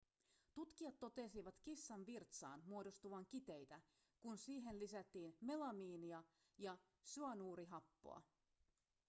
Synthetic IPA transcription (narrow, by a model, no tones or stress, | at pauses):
t̪ut̪k̟iɑt̪ːo̞t̪e̞siʋɑt̪kisːɑnʋirt̪sɑ̰ːnmuo̞do̞st̪uʋɑŋkit̪e̞jt̪æ | kunsiːɦe̞nlisæt̪ːiːnme̞lɑmiːniɑ | jɑ | syɑnuːɾiɦɑpːo̞̰ɑ̰